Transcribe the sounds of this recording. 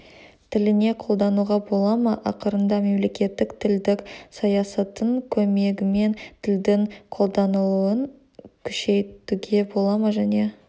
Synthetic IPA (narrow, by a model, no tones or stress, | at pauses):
t̪ʰɪlɪne̞qʰo̞lˠd̪ɑnuʁɑbo̞lˠɑməʔɑqəɾənd̪ɑme̞mle̞kʲe̞t̪ːɪkt̪ʰɪld̪ɪksɑjɑsɑt̪əɴkʲʰɵme̞ɡʲɪme̞nt̪ʰɪld̪ɪŋqʰo̞lˠd̪ɑnəlˠuəŋ | kʲʰʏʃe̞jt̪uɡʲe̞bo̞lˠɑməʒæne̞